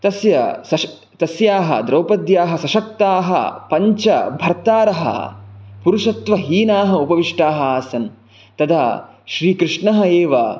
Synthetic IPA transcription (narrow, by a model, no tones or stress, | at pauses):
t̪ɐsjɐsɐ | t̪ɐsjaːɦɐ̰d̪ɾɐwpɐd̪jaːɦɐsɐʃɐk̚t̪aːɦɐ̰pɐɲt͡ʃɐbʱɐɾt̪aːɾɐɦɐ̰puɾuʂɐt̪ʋɐɦiːnaːɦɐupɐʋiʂʈaːɦɐaːsɐn | t̪ɐd̪a̰ː | ʃɾiːkɾɪʂɳɐɦɐeːʋɐ̰